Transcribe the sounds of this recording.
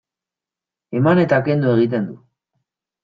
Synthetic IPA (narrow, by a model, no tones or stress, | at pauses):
e̞mane̞t̪ake̞nd̪ue̞ɣ̞it̪̬e̞nd̪u